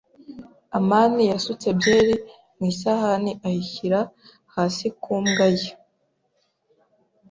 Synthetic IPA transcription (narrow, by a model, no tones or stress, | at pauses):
amaːnijasut͡sebjeːɾi | mwiːsahaniʔahiçiɾa | haːsikʰuːmɡaje